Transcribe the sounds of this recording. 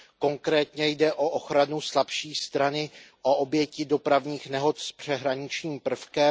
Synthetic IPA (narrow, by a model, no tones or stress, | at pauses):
ko̞ŋkɾɛːt̪ɲɛjdɛʔo̞ʔoxɾanuslapʃiːst̪ɾanɪʔoʔobjɛcɪdo̞pɾavɲiːxnɛɦo̞t̪spr̝̥ɛɦɾaɲɪt͡ʃɲiːmpr̩fkɛ